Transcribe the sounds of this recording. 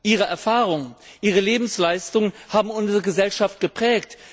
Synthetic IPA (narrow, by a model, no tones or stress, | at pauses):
ʔiːʁ̞əɛɐfaːʁʊŋəʔiːʁ̞əleːbm̩slaɪstʊŋənhaːbm̩ʊnzəʁəɡəzɛlʃaft̚ɡ̥əpʁ̥ɛːkt